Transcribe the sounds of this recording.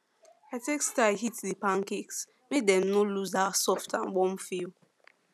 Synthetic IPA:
atekstaɪɦitðipãŋkiks | mek̚dɛ̃mnoluzasɔftʰãnwɔ̃mfil

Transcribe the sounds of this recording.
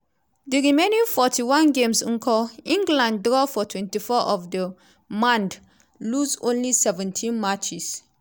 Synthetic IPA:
diɹimẽnĩnfɔtʰiwãnɡẽmsŋkʰɔĩŋɡlãnddɹɔfɔtʰwɛ̃ntifɔʔɔfdə | mãnd | lusõnlisɛvɛ̃ntʰĩnmat͡ʃis

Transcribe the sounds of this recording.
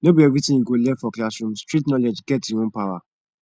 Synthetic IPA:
nobievitiiɡolɛfɔklasɾũm̩stɾitnɔled͡ʒɡɛtiŋupawa

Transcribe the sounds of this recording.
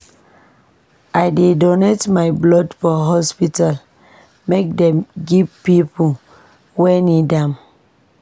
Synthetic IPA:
ʔajdedɔnetmajblɔdfɔɦɔspital | mek̚dɛ̃mɡivpipu | wɛnidãm

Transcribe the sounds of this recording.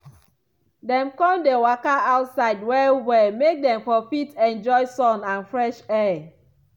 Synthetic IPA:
dɛ̃mkɔ̃mdewakaaʊtsaɪd̚wɛwɛmek̚dɛ̃mfɔfitɛ̃nd͡ʒɔɪsɔ̃nãnfɹɛʃɛ

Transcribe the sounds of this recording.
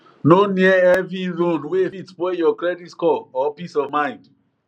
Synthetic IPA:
noniɛɛviɹõnwefitpejɔkɹɛditkɔɔpisɔvmãɪ̃nd

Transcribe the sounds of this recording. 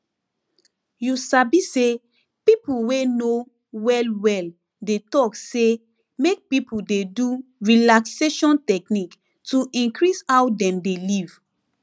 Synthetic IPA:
jusabise | pipulweno | wɛlwɛl | detɔkse | mek̚pipudeduɹilakseʃɔ̃ntɛknik | tuʔĩnkɹisawdɛ̃mdeliv̥

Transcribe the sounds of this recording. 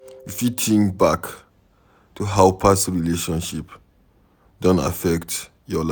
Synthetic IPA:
ifjitʰĩŋbak | tʰuɦaʊpʰasɹileʃɔ̃nʃip | dõnta̰fɛkt | jɔla

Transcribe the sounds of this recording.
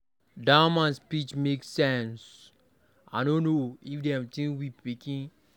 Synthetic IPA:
damãnspit͡ʃmeksɛ̃ns | ʔa̰nõnoifdɛ̃mtĩwipikĩn

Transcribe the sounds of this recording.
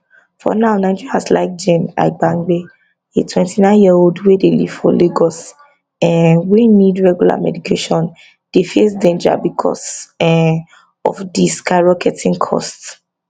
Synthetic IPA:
fɔ̰naʊnãɪ̃d͡ʒɔiasla̰ɪk̚d͡ʒẽna̰ɪbãŋɡ͡be | etʰwɛ̃ntinãɪ̃njioldwedelḭv̥fɔleɡɔs | ɛwinidɹɛɡjula̰mɛ̰dikʰeʃɔ̃n | d̥efesdẽnd͡ʒa̰bikʰɔ̰sɛ | ɔ̰fdiskaɹɔkʰɛtʰĩŋkʰɔ̰sts

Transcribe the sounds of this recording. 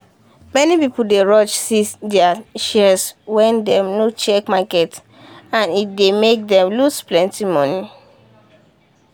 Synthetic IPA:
mɛnipipuldeɹɔt͡ʃsidɛaʃɛswɛ̃ndɛ̃mnot͡ʃɛkmakɛt | ãnit̚demek̚dɛ̃mlusplɛ̃ntimɔni

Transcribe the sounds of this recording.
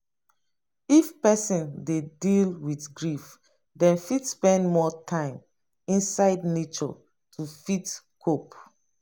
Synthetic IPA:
ifpɛsĩndedilwitɡɹif | dɛ̃nfitspɛ̃ndmɔtʰãɪ̃m | ĩnsaɪdnet͡ʃɔ̰ | tʰufit | kʰop

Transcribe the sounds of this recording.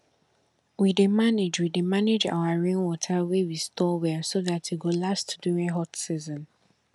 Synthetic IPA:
widemaned͡ʒwidemaned͡ʒa̰waɹẽnwɔtʰawewistʰɔwɛsoðatʰjiɡolastduɹĩɦɔtsizɔ̃n

